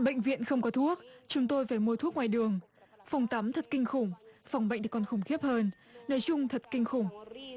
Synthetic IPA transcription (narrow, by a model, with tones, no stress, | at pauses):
ɓə̰˧˨ŋ̟vḭ˧˨ənxə˧wŋ͡mkɔ˨˦t̪ʰu˦˥ək̚t͡ɕʊ˨˦ŋ͡mt̪o˧jfaː˧˩jmu˧ət̪ʰu˦˥k̚ŋwaː˨˩jɗɨ˨˩əŋ | fa˨˩wŋ͡mt̪a˨˦mt̪ʰə˨˩t̚kï˧ŋ̟xʊ˧˩ŋ͡mfa˨˩wŋ͡mɓə̰˧˨ŋ̟t̪i˨˩kɔ˨˩nxʊ˧˩ŋ͡mxi˦˥əp̚həː˧nː | oː˧˩jt͡ɕʊ˧ŋ͡mt̪ʰə˨˩t̚kï˧ŋ̟xʊ˧˩ŋ͡m